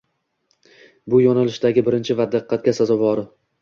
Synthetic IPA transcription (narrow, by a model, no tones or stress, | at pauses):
bʊjɒnalɪʃd̪aɡʲɪbɪɾɪnt͡ʃʰɪvad̪ɨqʰːɑt̪̚ɡʲasazɒvɒɾɪ